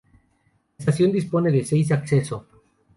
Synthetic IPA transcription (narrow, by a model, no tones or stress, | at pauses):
sasjo̞nd̪ispo̞ne̞ðesejs̬akseso